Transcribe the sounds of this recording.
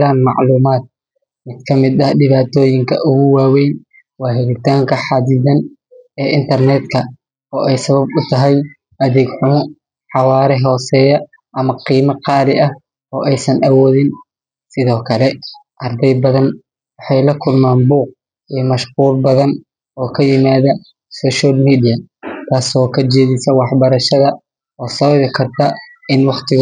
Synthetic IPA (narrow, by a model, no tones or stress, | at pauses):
ðaːnmɑʕluːmaːd̪̚ | mɪd̪kʰɐmɪd̪ɐhɖɪβaːt̪ʰɔːjɪŋkʰɐʔʊɣʊwaːwɛjn | wɑːɦɛɾɪt̪ʰaːŋkʰɐħɑːd̪ɪðɐn | ɛːʔɪnt̪ʰɐrnɛːd̪kʰɐ | ɔːʔɛjsɐβɐbʊt̪ʰɐɦɛj | ʔɐðɛːɡħʊm | ħɑwaːɾɛɦɔːsɛːjɐ | ʔɐmɐqiːmɐqɑːɾɪʔɐh | ɔːʔɛjsɐnʔɐwɔːðɪn | sɪðɔːkʰɐlɛ | ʔɐrd̪ɛjbɐðɐn | wɑħɑjlɐkʰʊlmaːnbuːq̚ | ʔiːmɐʃquːlbɐðɐn | ɔːkʰɐjɪmaːðɐ | sɔːʃalmiːd̪ijɐt̪ʰaːsɔːkʰɐt͡ʃɛːðɪsɐwɑħbɐɾɐʃɐðɐ | ɔːsɐββɪkʰɐrt̪ʰɐ | ɪnwɑqt̪ʰɪɣ